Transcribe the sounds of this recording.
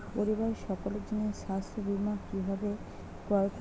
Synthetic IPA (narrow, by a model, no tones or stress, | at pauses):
poɾibaɾʃɔkoled͡ʑoneʃast̪ɾobimakibʱabe | koaɾk